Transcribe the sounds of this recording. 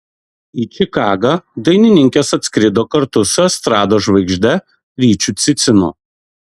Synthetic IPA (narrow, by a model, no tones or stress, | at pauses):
iːt͡ʃʲɪkɑːɡɑd̪ɐɪnʲɪnʲɪŋʲkʲeːsɐt̪ʲsʲkɾʲɪd̪oːkɐɾt̪ʊsʲɛst̪ɾɑːd̪oːʒʋɐɪɡʒʲd̪ʲɛ | ɾʲiːt͡ʃʲuːt̪sʲɪt̪sʲɪnʊ̰